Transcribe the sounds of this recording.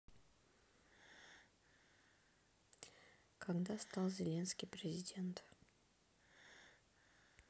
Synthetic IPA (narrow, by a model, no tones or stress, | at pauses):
kʰaɡd̪ast̪alˠzʲɪlʲe̞nskʲɪjpɾʲɪzʲɪdʲe̞nt̪